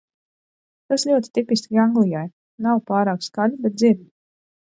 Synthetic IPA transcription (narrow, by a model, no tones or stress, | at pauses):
t̪aslʲuɔt̪i̥t̪ipiskʲiaŋɡlˠijaj | nawpaːɾaːkskalʲubɛt̪̚ziɾbi